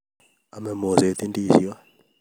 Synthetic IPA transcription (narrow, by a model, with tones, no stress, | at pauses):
a˨mɛ˨mo˨ze˨t̪i˦ndi˦˨si˦wa˦